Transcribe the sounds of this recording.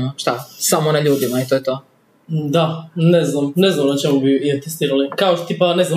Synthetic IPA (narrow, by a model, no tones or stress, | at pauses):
ʃt̪asamonaʎuːd̪imait̪ojet̪oː | d̪aneznamneznamnat͡ʃemubiiat̪est̪iːɾalikaoʃt̪ot̪ipanezna